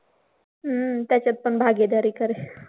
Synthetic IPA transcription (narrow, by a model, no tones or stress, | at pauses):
ət̪jat͡ɕat̪̚pəɳbʱaɡed̪aɾiːkəɾe